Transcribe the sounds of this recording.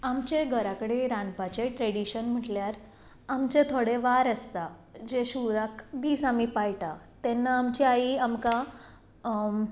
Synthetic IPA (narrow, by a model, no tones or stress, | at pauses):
amt͡ɕeɡʱəɾakəɽeɾanpat͡ɕeʈɾeɽiɕənm̤əʈljaɾ | amt͡ɕet̪ʰoɽeʋaɾəst̪ad͡ʑeɕuɾakd̪iːsamipajʈat̪ɛnːaːmt͡ɕiaiamka